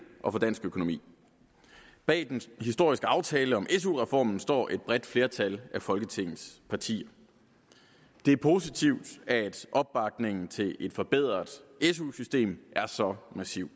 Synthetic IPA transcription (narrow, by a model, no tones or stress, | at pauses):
ʔɒ̽fɒ̽d̥æn̰sɡ̥økʰo̝no̝mḭː | b̥ɛ̰ːd̥enhisd̥o̝ɐ̰isɡ̥əɑ̈ʊt͡sʰɛːləɒ̽mʔes̬uʁɛfɒ̰ːmn̩sd̥ɒ̰ːʔe̝d̥̚b̥ʁɛd̥fle̝ːɐt͡sʰælæfɒ̽lɡ̥ət͡sʰe̝ŋ̰ð̩ˠspʰɑ̈t͡sʰḭːɐ | d̥e̝æɐpʰo̝sit͡sʰiʊd̥æd̥ʔɒ̽b̥̚b̥ɑ̈ɡ̥ne̝ŋn̩t͡sʰe̝le̝d̥fɒ̽b̥e̝ð̞̰ˠʁɐðˠesusysd̥e̝̰ːmʔæɐsɒ̽mæsiʊ̰̥